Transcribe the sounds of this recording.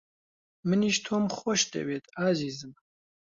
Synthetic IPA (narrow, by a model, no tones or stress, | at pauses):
mɨniːʃt̪ʰoːmχɔʃt̪ɛ̰weːt̪aziːzɨm